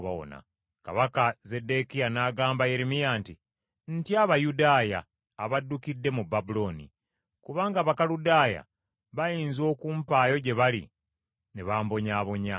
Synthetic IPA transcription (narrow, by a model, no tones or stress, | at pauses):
βawo̰na̰ | kaβakaze̞de̞kijanaːɡaːmbaje̞ɾemijaːnti | n̩tjaβajudaːjaː | βadːukidːe̞mubːabulo̞ːnḭ | kuβaːŋɡaːβakaludaːja̰ | βajiːnzo̞ːkuːmpaːjo̞ɟe̞βalḭ | neβaːmbo̞ɲaːβo̞ɲa